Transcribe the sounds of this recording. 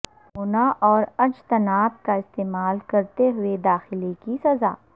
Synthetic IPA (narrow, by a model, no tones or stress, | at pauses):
oːnaʔɔːɾɐd͡ʒt̪ɐnaːb̚kaɪst̪eːmaːlkɐɾt̪eɦʊed̪aːxɪlikisɐza̰ː